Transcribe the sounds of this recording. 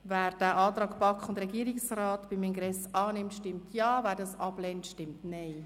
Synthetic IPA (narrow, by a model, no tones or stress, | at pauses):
vɛːɾd̥æːʔɑːt̪rɑːɡpɑkχʊndɾɛɡiəɾɪksraːtb̥imɪŋɡɾɛsʔɑːnɪmtʃtɪmtʰjɑːvɛːɾdɑsɑblɛntʃtɪmtnaɪ